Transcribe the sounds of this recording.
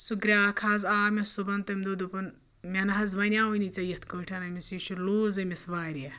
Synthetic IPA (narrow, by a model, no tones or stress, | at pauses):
suɡɾʲaːkʰaːzaːmesubɐnt̪ɐmʲd̪od̪upɐn | mʲɐnɐɦɐzʋɐnʲaːunit͡sɐjɐt̪ʰkoːʈʰɐnɐmisiʃuɾluːzɐmʲisʋaːɾje